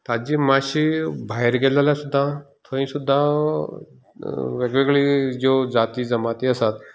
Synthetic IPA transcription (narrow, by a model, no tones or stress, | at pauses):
t̪ad͡ʑimaɕibʱaɦeɾɡɛlaljasud̪ʱːat̪ʰoĩsud̪ʱːa | ʋeɡʋeɡɭiːd͡ʑod͡zat̪iːd͡zəmat̪iəsat̪